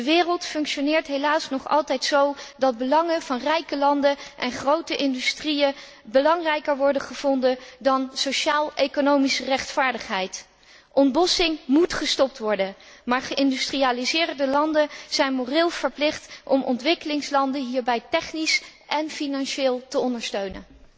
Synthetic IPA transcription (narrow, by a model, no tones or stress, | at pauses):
dəʋɪːrəlˠtfɵŋkʃonɪːɹtɦejlaːsnɔχɑ̰lˠtɛjtsowdɑd̚bəlɑŋəvɑnrɛjkəlɑndəʔɛnχrowtəʔɪndystrijə | bəlɑŋrɛjkəɹʋɔɹdəχəv̥ɔndədɑnsowʃaːlˠejkonowmisərɛχtfaːɹdəχɦɛjt | ʔɔntbɔsɪŋmutχəstɔp̚tʋɔɹdənmaːɹχəʔɪndystriaːlizɪːrdəlɑndəz̥ɛjnmorɪːlˠv̥əɹplɪχtʔɔmʔɔ̰ntʋɪkəlɪŋslɑndəɦiːɹbɛjtɛχnisʔɛnfinɑnʃɪːlˠtəɔndəɹstøɥnə̰n